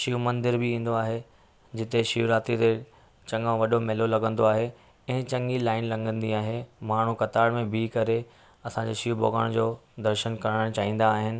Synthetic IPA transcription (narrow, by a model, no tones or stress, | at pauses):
ʃiumɐ̃nd̪ɪɾbɪĩːn̆d̪oaːɦe | d͡ʑɪt̪eʃiuɾaːt̪ɾit̪e | t͡ɕɐ̃ŋɡãʋɐɗomɛːlolɐɡə̃nd̪oaːɦe | ɪ̃ɦt͡ɕɐ̃ŋɡilaːɪnlɐ̃ŋɡə̃nd̪iaːɦemaːɳ̤ukɐt̪aːɽmẽbʱikɐɾe | ɐsãɲd͡ʑeːʃiubo̰ːɡəɽ̃d͡ʑoːd̪ɐɾʃənkɐɾəɽəɽ̃t͡ɕaːɦĩːn̆d̪aːɦɪnɪ̆